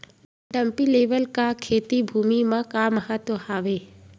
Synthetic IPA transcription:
ɖəmpileːʋəlkakʰeːt̪ibʱuːmimãkaːməɦət̪wohaːʋeː

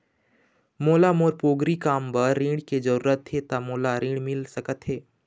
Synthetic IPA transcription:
moːlamoːɾpoːɡɾikaːmbəɾːĩːɽked͡ʒəɾuːɾət̪ʰːet̪amoːlaɾĩːɽmɪlsəkət̪ɦeː

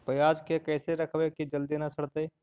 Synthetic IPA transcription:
pəjaːd͡ʒkekɛːseɾɐkʰʋekid͡ʒəld̪inɐsəɽt̪e

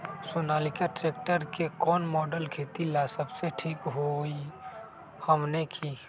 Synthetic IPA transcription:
sʊnaːlikaʈɾeːk̚ʈəɾkekɔːnmɔːɖəlkʰet̪ilasəbseʈʰiːkɦoi | həmnekʰi

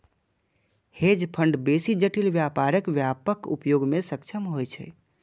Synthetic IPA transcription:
hed͡ʒpʰəɳɖbesid͡ʒəʈilʋjapaɾəkʋjapəkṵpjoɡmesəkt͡ʃʰəmɦojt͡ʃʰɛ̰

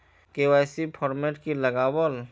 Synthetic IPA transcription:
keɛːsipʰɔːɾmeʈkiləɡaːwəl

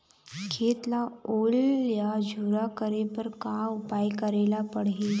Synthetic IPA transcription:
kʰet̪laoljad͡ʑʱuɾakəɾepəɾkaupajkəɾelapəɽɦe

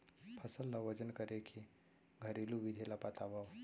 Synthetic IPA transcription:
pʰəsəlːaʋəd͡ʒənkəɾekʰi | ɡʱəɾilubid̪ʱelapat̪abaw

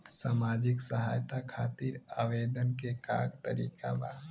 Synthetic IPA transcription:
t̪saːmaːd͡ʒɪksəɦaːjt̪akʰaːt̪iːɾa̰ːʋeːd̪ənkeka̰ːɡt̪əɾḭːka̰ba̰ː

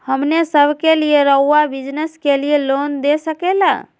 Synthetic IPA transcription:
həmnesəbʱkelijeɾəuabid͡ʒnəskelijelond̪esəkela̰

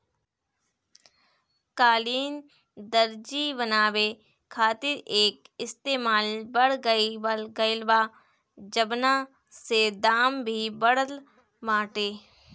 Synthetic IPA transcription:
kaːliːn | d̪əɾd͡ʒibənaːʋe | kʰaːt̪ɪɾeːkɪst̪eːmaːlbəɽɡəiʋlɡəɪlʋaː | d͡ʒəbnã | sed̪aːmbʱiːbəɽəl | maːʈeː

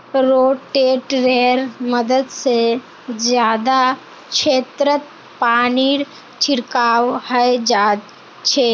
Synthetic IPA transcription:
ɾoːʈeːʈɾeɾməd̪əd̪se | zjaːd̪a | kʃeːt̪ɾət̪̚ | paːniːɾ | t͡ʃʰɪɾkaːwhəed͡ʒaːd̪ | t͡ʃʰeː

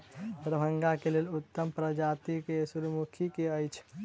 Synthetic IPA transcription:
pɾəbʱəŋɡakelelut̪ːəmpɾəd͡ʒat̪ikesuɾmukʰikeəjt͡ʃʰ

